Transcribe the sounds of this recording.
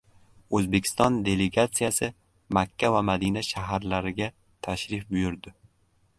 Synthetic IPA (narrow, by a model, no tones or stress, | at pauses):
ɵzbe̞kʲʰɪ̥st̪ɒnd̪e̞le̞ɡat̪sijasɪ | makʲʰːavamad̪inaʃaɦaɾlaɾɪɡʲa | t̪ʰaʃɾɪfbʊjʊɾd̪ɪ